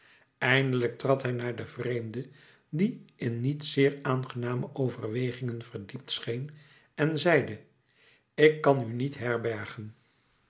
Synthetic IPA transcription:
ɛjndələk̚trɑtɦɛjnaːɹdəvrejmdə | diʔɪnːitsɪːɹaːnχənaːməʔowvərʋejχɪŋənvəɹdip̚tsχejn | ɛnzɛjdə | ɪkːɑnynitɦɛɹbɛɹχən

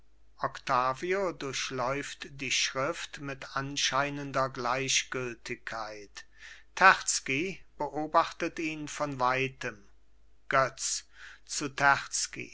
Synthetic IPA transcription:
ʔɔktʰaːviodʊɐçlɔʏftd̥iːʃʁɪftmɪtanʃaɪnəndɐɡlaɪɕɡ̥ʏltɪkʰːaɪt | tʰːɛʁt͡skib̥əʔoːbaχtətiːnfɔnvaɪtəm | ɡ̥œt͡s | t͡sutʰæʁt͡skḭ

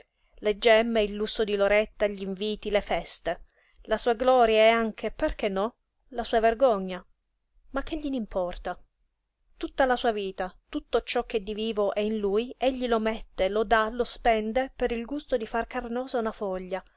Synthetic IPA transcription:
led͡ʒːɛmːeilːusːod̪iloɾet̪ːaʎiɱviːt̪ilefɛst̪e | lasuːaɡlɔːɾjaɛaŋk̟ʰeperk̟enːɔ | lasuːaverɡɔɲːa | mak̟ːeʎːinimpʰɔrt̪a | t̪ut̪ːalasuːaviːt̪at̪ut̪ːot͡ʃɔk̟ːed̪ːiviːvoʔɛinlujeʎːilomɛt̪ːelod̪alospɛnd̪epeɾilɡust̪od̪ifarkarnɔːzaunafɔʎːa

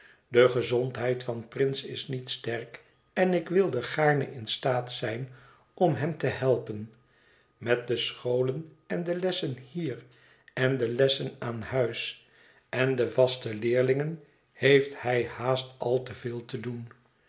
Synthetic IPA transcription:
dəχəzɔntɦɛjtfɑnprɪnsɪ̰snitstɛɹk | ɛnɪkʋɪlˠdəχaːɹnə̰ʔɪnstaːtsɛjn | ɔmɦɛmtəhɛlˠpən | mɛt̚dəsχowlən | ɛndəlɛsənhiːr | ɛndəlɛsənaːnhœɥs | ɛndəvɑstəlɪːɹlɪŋən | hejfthɛjhaːstɑlˠtəvɪːlˠtədun

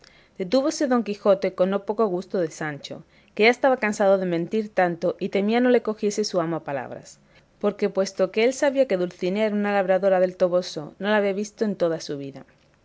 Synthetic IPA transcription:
d̪̥e̞t̪uβo̞se̞ðo̞ŋkixo̞t̪e̞ko̞nːo̞po̞ko̞ɣ̞ust̪oðesant͡ʃo̞̰ | keʝaest̪aβakansað̞oð̞e̞mẽnt̪iɾt̪ant̪o̞ʔit̪e̞miano̞le̞ko̞xje̞se̞suamoapala̰β̞ɾa̰s | po̞ɾke̞pwe̞st̪o̞keelsaβiake̞ðulθineeɾunalaβ̞ɾaðo̞ɾaðe̞lt̪o̞βo̞so̞̰no̞laβiaβist̪oent̪o̞ð̞asuβ̞iða̰

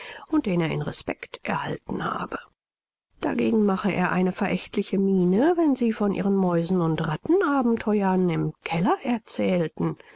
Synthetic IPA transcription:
ʊnt̚d̥eːneːɐɪ̰nʁɛspɛ̰ktʔɛ̰ɐha̰ltn̩ha̰ːbə | d̥a̰ɡeːɡŋ̩maχəʔḛːɐʔa̰ɪnəfɛɐʔɛçtʰlɪçəmiːnəvɛnziːfɔnʔḭːʁənmɔʏzn̩ʊntʁatn̩ʔaːbm̩tʰɔʏɐnɪmkʰɛlɐʔɛɐt͡sɛːltn̩

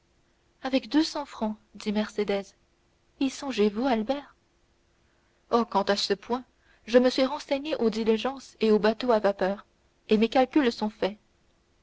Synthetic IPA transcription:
avɛkd̪øsɑ̃fχɑ̃d̪imɛʁsed̪ɛz | isɔ̃ʒevualbɛːʁ | okɑ̃t̪asəpwɛ̃ | ʒəməsɥiʁɑ̃sɛɲeʔod̪iliʒɑ̃seobat̪oavapœːʁ | emekalkʲylsɔ̃fɛ

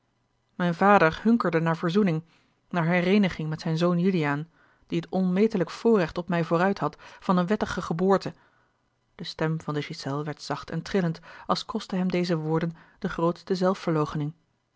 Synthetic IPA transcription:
mɛjnvaːdəɹhɵŋkəɹdənaːɹvoːɹzunɪŋ | naːɹɦɛrejnəχɪŋmɛtsɛjnzownjylijaːn | d̥iɦətɔnmejtələkfʊːɹrɛχtɔpmɛjvʊːɾœɥtɦɑtfɑnənʋɛtəχəχəbʊːɹtə | d̥əstɛmv̥ɑndəʃisɛlˠʋɛɹtsɑχtɛ̰ntrɪləntʔɑlˠskɔstəɦɛmdejzəʋʊːɹdənd̥əχrowtstəzɛlˠfəɹlowχənɪŋ

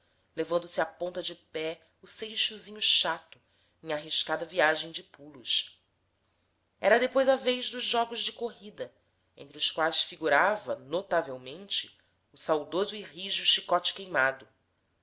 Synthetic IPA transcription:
levɐ̃nd̪ʊsɪapõnt̪ɐd͡ʒɪpɛ | ʊsejʃuzĩɲʊʃat̪ʊ | ẽj̃aɦiʃkad̪ɐviaʒẽj̃d͡ʒɪpulʊʃ | ɛɾɐd̪epojzɐvejʒd̪ʊʒʒɔɡʊzd͡ʒɪkoɦid̪ɐ | ḛ̃nt̪ɾiʊskwajsfiɡuɾavɐnot̪avewmẽnt͡ʃɪ̥ | ʊsawd̪ozʊiɦiʒuʃikɔt͡ʃɪ̥kejmad̪ʊ

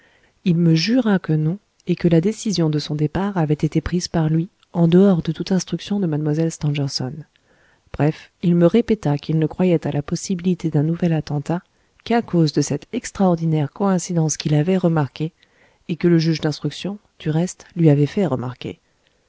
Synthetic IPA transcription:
ilməʒyʁakənɔ̃ | ekəlad̪esizjɔ̃d̪əsɔ̃d̪epaʁavɛt̪et̪epχiz̥paʁlɥi | ɑ̃d̪əɔʁd̪ət̪ut̪ɛ̃st̪χyksjɔ̃d̪əmad̪mwazɛlst̪ɑ̃ʒɛʁsɔ̰n | b̥ʁɛfilməʁepɛt̪akilnəkχwajɛt̪alapɔsibilit̪ed̪ɛ̃nuvɛlat̪ɑ̃t̪a | kakozd̪əsɛt̪ɛkst̪χaɔʁd̪inɛʁkɔɛ̃sid̪ɑ̃skʲilavɛʁəmaʁkʲeː | kələʒyʒd̪ɛ̃st̪χyksjɔ̃ | d̪̥yʁɛst̪lɥiavɛfɛʁəma̰ʁkʲḛ

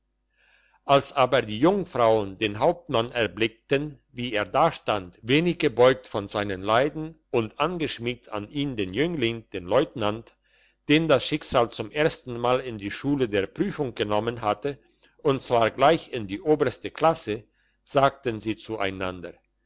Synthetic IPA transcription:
ʔalsʔaːbɐdiːjʊŋfʁ̥aʊəndeːnɦaʊp̚tmanɛɐblɪk̚tən | viːeːɐdaːʃtantveːnɪçɡ̥əbɔʏk̚tfɔnzaɪnənlaɪdn̩ | ʊntʔanɡəʃmɪk̚tʰa̰nʔiːndeːnjʏŋlɪŋd̥eːnlɔʏtnant | d̥eːndasʃɪkz̥aːlt͡sʊmʔeːɐstn̩maːlɪndiːʃuːlədeːɐpʁ̥yːfʊŋɡənɔmənɦatə | ʔʊntt͡sv̥aːɐɡlaɪçɪndiːʔoːbɐstəkl̥asə | z̥aːk̚tənziːt͡suʔa̰ɪnandɐ

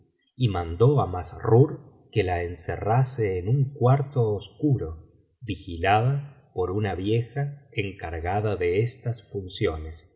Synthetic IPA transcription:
imãnd̪o̞amasruɾ | kelaensḛraseːnuŋkwaɾt̪oːskuɾo̞ | βixilað̞a | po̞ɾunaβje̞xaeŋkaɾɣaðaðeest̪asfunsjo̞ne̞s

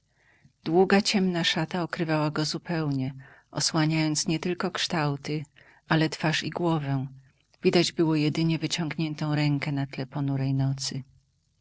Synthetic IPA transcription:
d̪̥wuɡat͡ɕɛmnaʂat̪aɔkɾɘvawaɡɔzupɛwɲɛʔɔswaɲajɔnt̪sɲɛt̪ɘlkɔkʂt̪awt̪ɘ | alɛt̪faʂiɡwɔvɛ̃ | vʲid̪ad͡ʑbɘwɔjɛd̪ɘɲɛvɘt͡ɕɔŋɡɲɛnt̪ɔ̃w̃ɾɛŋkɛnat̪lɛpɔnuɾɛjnɔt̪sɘ

